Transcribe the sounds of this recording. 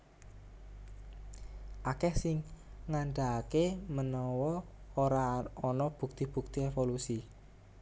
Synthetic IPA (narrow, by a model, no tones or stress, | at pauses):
ʔakɛhsɪŋŋaɳɖakemənɔwɔoɾaɔnɔb̥ṳk̚t̪ib̥ṳk̚t̪iefolusi